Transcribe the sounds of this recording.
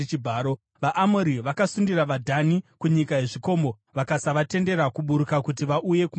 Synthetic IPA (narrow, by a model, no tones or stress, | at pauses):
ibʱaːɾo | ʋaʔːmoɾiʋakasundiraʋadʱanikuɲikaje̞ʐiko̞ːmo̞ | ʋakasaʋate̞nde̞ɾakuɓuɾukakutiʋaʔuje̞ku